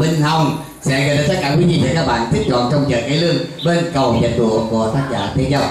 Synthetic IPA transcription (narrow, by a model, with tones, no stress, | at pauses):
ɓi˧ŋ̟ha˧˩wŋ͡m | sɛ̰˧˥ɣə˨˧˩aː˨˧˩t̪a˦˥kaː˧˩kwi˨˦ɲḭ˧˩vəː˨˧˩kaː˦˥k̚ɓa̰ː˧˨nt̪ʰi˦˥k̚t͡ɕɔ̰˧˨nt͡ɕɔ˧wŋ͡mt͡ɕə̰ː˧˨˩kaː˨˦lɨ˧əŋɓə˧nkə˨˩wɲə̰˨˩ɗṵ˧˨ku˧˩ət̪aː˦˥k̚zaː˧˩t̪ʰi˧ənɲa˧˩